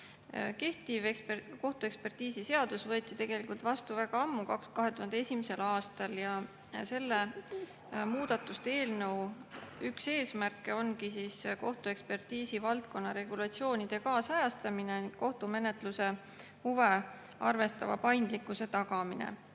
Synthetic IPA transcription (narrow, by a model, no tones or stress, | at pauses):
ke̞ht̪ivko̞ht̪ue̞kspe̞rt̪iːsise̞ɑd̪̥usvɤet̪ːˑit̪e̞ɡ̥e̞likult̪vɑst̪uvæɡ̥ɑɑmːukɑkkɑɦe̞t̪uhɑnd̪̥ee̞sʲimese̞lɑːst̪ɑljɑ | se̞lːe | muːd̪̥ɑt̪ːˑust̪ee̞ːlnɤ̞wykse̞ːsmærkːˑeo̞nkisiːsko̞ht̪ue̞kspe̞rt̪iːsivɑlt̪̚ko̞nːɑɾe̞ɡ̥ulɑt̪sio̞ːnid̪̥e̞kɑːsɑjɑst̪ɑmine̞ni̥ko̞ht̪ume̞ne̞t̪ˑluse̞ | huve̞ | ɑrve̞st̪ɑvɑ̰pɑjnd̪likːˑuse̞t̪ɑɡ̥ɑminḛ